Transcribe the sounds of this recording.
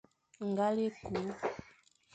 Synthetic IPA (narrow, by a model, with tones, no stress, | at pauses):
ŋ˨ɡa˦le˦ku˨˦